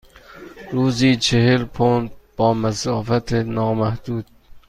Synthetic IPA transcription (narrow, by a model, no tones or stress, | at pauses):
ɾuːziːt͡ʃʰehelpʰon̚b̥ɒːmæsɒːfæt̪ʰenɒːmæhd̪̥uːd̪̥̚